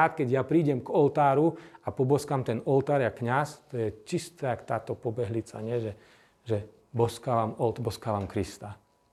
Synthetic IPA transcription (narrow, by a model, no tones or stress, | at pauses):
aːt̪kɛɟjapɾiːɟɛmɡɔlt̪aːɾuapɔbɔskamt̪ɛnɔlt̪aːɾakɲast̪ɔjɛt͡ʃist̪ɛakt̪aːt̪ɔpɔbɛɦlit͡sa̰ɲɪɛʒɛ | ʒɛ | bɔskaːʋamɔlt̪bɔskaːʋamkɾist̪a